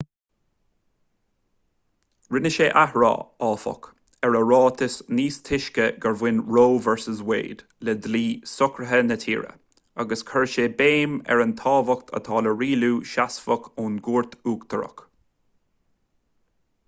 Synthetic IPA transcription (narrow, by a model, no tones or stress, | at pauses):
ɹɪnəʃeːʔahɹɑ̰ːɑːfɔ̰k | ɛɹəɹɑːt̪ʰɪsniːst̪ʰɪʃkəɡəɹvwɪnɹoːvɛɹsəzwḛːd̪̥ | lɛd̪liːsʊkɾəɦənət̪ʰḭːɹə̰ | aɡəskʰəɹʃeːbeːmɛ̰ɹənt̪ʰɑːvək̚t̪ʰə̰t̪ʰɑːləɹiːluːʃasfəkʰuːnɡuːɹt̪uːkt̪ʰəɾə̰k